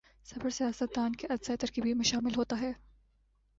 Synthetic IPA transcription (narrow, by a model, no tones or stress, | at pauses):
sɐbəɾsijaːsət̪̚d̪aːnkeʔɐd̪zaːjt̪ɐɾkiːbʱimɐʃaːmɪlɦoːt̪aɦɛː